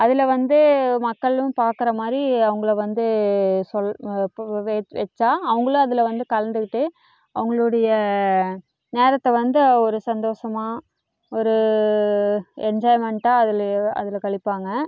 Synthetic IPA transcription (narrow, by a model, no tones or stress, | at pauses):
ɐðɪlɐʋɐnd̪ɯmɐkːɐɭɯ̃paːɾkɪɾɐmaːd̪ɾiɐʋɐŋɡɐɭɐʋɐnd̪ɯsɔl | ʋɛʋɛt͡ʃːaːɐʋɐŋɡɐɭʊ̃ɐðɪlɐʋɐnd̪ɯkɐlɐnd̪ɯkɪʈːɯ | ɐʋɐŋɡɐɭɯɽɐjɐ | neːɾɐt̪ːɐʋɐnd̪ɯɔɾɯsɐnd̪oːsɐmaː | ɔɾɯ | ɛnd͡ʒaːjmɛɳʈaːɐðɪlɐ̰ðɪlkɐɭɪpːaːŋɡɐ